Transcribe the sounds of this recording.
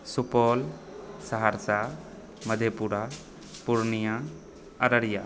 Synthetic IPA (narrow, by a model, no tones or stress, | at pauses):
supɔlsaɦaɾsa | məd̪ʱjepuɾa | puɾnijã | ɐɾəɾija